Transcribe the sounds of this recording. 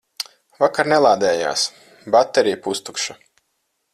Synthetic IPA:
vakaɾnɛlˠaːd̪ɛːja̰ːs | bat̪ːɛɾijpust̪ukʃa

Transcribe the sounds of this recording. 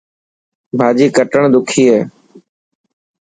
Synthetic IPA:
bʱaːd͡ʒiːkəʈəɳd̪ʊkʰiːɦeː

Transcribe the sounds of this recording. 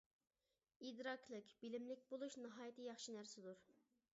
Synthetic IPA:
id̪ɾɑkʰlˠɨkʲb̥ɪlɪmlɪkʲbolˠuʃnɨɦɑːjit̪ʰɨjɑχʃinæɾsɪd̪uɾ

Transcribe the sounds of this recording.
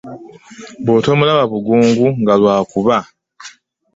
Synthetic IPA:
boːto̞ːmulaβaβuɡuːŋɡuŋɡalwaːkuβa

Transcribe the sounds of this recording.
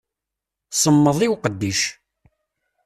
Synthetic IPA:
səmːəðˤiwqəd̪ːiʃ

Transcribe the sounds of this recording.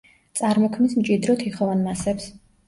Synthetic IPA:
t̪sʼaɾmɔkʰmismt͡ʃʼid̪ɾɔt̪ʰiχɔvanmasɛps

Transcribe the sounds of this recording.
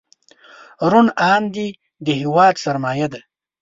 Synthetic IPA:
ɾunɑːnd̪i | d̪əɦɪwɑːd̪saɾmɑːjad̪a

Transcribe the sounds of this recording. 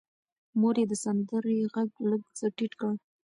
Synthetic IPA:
moɾjed̪əsand̪əɾeɣaɡləɡzaʈiʈkəɽ

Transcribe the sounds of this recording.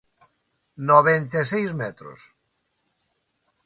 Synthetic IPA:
noβent̪esejzmɛt̪ɾo̰s

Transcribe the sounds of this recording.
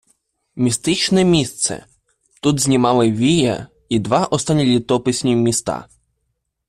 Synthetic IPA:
mʲist̪ɪt͡ʃnɛmʲist̪sɛ̰ | t̪ud̪zʲnʲimɑlˠɪʋʲijɐ̰ | id̪ʋɑʔɔst̪ɑnʲːilʲit̪ɔpɪsʲnʲimʲist̪ɑ̰

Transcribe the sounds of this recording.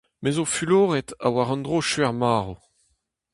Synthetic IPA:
mezofyloːʁɛta̰waʁɑ̃ndʁoʃɥɛʁmaːʁo

